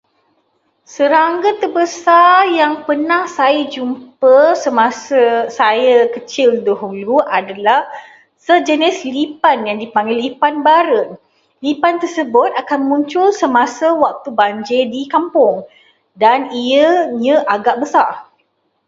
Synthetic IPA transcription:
səɾaŋɡət̪ərbəsarjaŋpənãhsajəd͡ʒumpəsəmasəsajəkət͡ʃɪldoɦuluʔadalah | səd͡ʒənɪslipanjaŋdipaŋɡɪlipanbaɾən | lipant̪ərsəbʊt̪̚akanmũɲt͡ʃʊlsəmasəwak̚t̪ubaɲd͡ʒedikampʊŋ | daniəɲə̃ʔaɡaʔbəsar

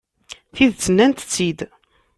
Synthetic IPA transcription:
θiðt͡sːənːænt̪t͡sːid̪

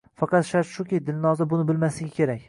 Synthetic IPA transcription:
fɑqɑt̪ʃaɾʃʊkʲijd̪ɪlnɒzabʊnɪbɪlmaslɪɡʲakʲʰeɾakʲ

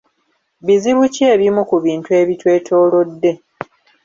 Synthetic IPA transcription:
βiziβuceːβimukuβiːntue̞ːβitwe̞ːtʰo̞ːlo̞dːe̞

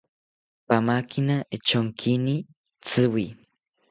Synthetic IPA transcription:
pamakʰinaet͡ʃoŋkʰini | t͡sɨwi

